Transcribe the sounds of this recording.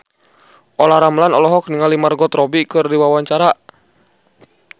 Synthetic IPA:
ʔɔlahɾamlanɔlɔɦɔk̚niŋalimarɡɔt̪rɔbikɨrdiwawaɲt͡ʃaɾa

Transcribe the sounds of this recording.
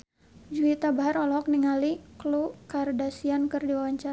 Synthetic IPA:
d͡ʒuit̪abaɦaɾɔlɔɔk̚niŋaliklukardasiankɨrdiwawaɲt͡ʃa

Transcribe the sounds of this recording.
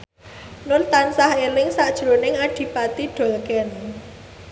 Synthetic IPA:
nʊnt̪ansahelɪŋsaʔd̥ʒ̥ɾonɪŋaɖ̥i̤pat̪iɖ̥ɔ̤lkɛn

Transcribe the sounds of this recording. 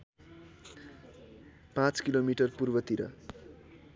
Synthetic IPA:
pãt͡skilomiʈʌrpurbʌt̪iɾʌ̰

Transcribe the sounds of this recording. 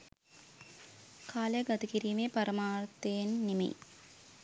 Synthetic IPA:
kʰaːlejɡɐt̪ikiɾiːmepɐɾɐmaːrt̪eːnːimḛj

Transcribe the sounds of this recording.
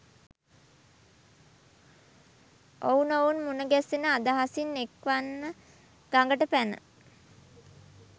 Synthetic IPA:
ounounmunəɡɛsenəad̪aɦasinːekʋanːə | ɡ̥aŋɡəʈəpænə̰

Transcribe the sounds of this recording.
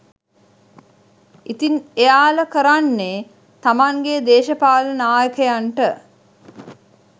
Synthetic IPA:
it̪inejaːləkəɾanːe | t̪amaŋɡed̪eːʃəpaːlənaːjəkəjaɳʈə

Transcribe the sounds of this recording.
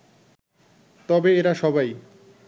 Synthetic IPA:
t̪ɔbeeɾaʃɔbaj

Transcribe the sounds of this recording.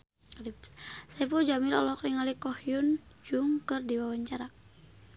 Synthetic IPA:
lipsaipud͡ʒamilɔ̰lɔkriŋalikɔhiun | d͡ʒuŋkɨrdiwawaɲt͡ʃaɾa

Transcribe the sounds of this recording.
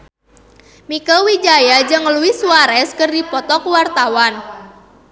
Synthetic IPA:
mikawid͡ʒajad͡ʒɨŋəluisuaɾɛskɨrdipɔt̪ɔkuwart̪awan

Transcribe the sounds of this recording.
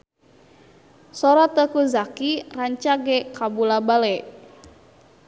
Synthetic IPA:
sɔɾat̪əkuzakiraɲt͡ʃaɡɛkabulabalɛ

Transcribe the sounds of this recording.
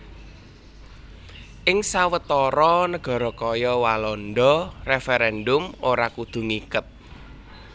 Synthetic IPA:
ʔɪŋsawət̪ɔɾɔnəɡ̥ɔ̤ɾɔkɔjɔwalɔnɖɔrefeɾɛndʊmoɾakud̪̥ṳŋikət̪̚

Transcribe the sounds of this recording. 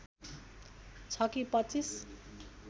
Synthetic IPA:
t͡sʰʌkipʌt͡sis

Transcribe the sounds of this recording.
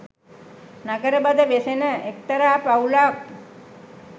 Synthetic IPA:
naɡəɾəbad̪əʋesenəʔek̚t̪əɾaːpaulaːk̚

